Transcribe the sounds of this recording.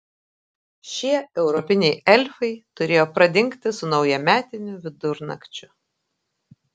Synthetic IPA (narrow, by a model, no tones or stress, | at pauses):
ʃʲiɛɛʊɾɔpʲɪnʲɛɪɛlʲfɐɪt̪ʊɾʲeːjoːpɾɐd̪ʲɪŋʲkt̪ʲɪsʊnɒʊjɛmʲæːt̪ʲɪnʲʊʋʲɪd̪ʊɾnɐ̰kt͡ʃʲʊ